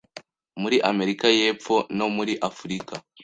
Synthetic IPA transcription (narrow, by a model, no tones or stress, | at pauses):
muɾiʔame̞ɾikaje̞ːp͡fo̞no̞muɾiʔafuɾika